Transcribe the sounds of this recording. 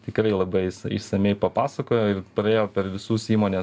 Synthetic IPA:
t̪ʲɪkɾɐɪlˠɐbɐɪsɐɪ̰ʃsɐmʲɛɪpɐpɑːsɐkoːjoːɪrpɾɐeːjoːpʲɛɾʋʲɪsuːsiːmoːnʲeːs

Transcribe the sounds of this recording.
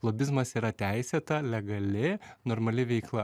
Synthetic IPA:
lˠoːbʲɪzmɐsiːɾɐt̪ʲæɪsʲeːt̪ɐlʲɛɡɐlʲɪnoːɾmɐlʲɪʋʲɛɪklˠɐ

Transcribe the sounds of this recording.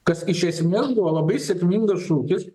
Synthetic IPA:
kɐsɪʃʲɛsʲmʲeːsbuʋɔlˠɐbɐɪsʲɛkʲmʲiŋɡɐsʃuːk̪ʲɪs

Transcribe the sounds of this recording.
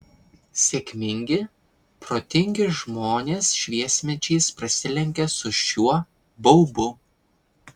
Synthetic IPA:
sʲekʲmʲɪŋʲɡʲɪ | pɾoːt̪ʲɪŋʲɡʲɪʒmoːnʲeːsʃʲʋʲiɛsʲmʲɛt͡ʃʲɛɪspɾɐsʲɪlʲɛŋʲkʲɛsʊʃʲuɔ | bɐʊbʊ

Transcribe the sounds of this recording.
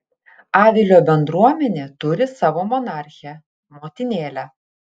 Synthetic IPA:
ɑːʋʲɪlʲoːbʲɛnd̪ɾuɔmʲɛnʲeːt̪ʊɾʲɪsɑːʋoːmɔnɑˑɾʲxʲɛ | moːt̪ʲɪnʲeːlʲæ

